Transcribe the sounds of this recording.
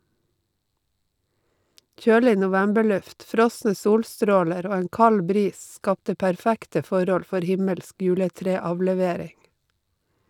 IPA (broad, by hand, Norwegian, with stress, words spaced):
ˈc͡çøːlɪ nʊˈʋæmbəˌɭʉft ˈfɾɔsnə ˈsuːlˌstɾoːləɾ ˈoː ˈeːŋ ˈkɑl ˈbɾiːs ˈskɑptə pæɾˈfæktə ˈfɔɾɔl ˈfɔɾ ˈhɪməlsk ˈjʉːləˌtɾeːɑʋlɛˌʋeːɾɪŋ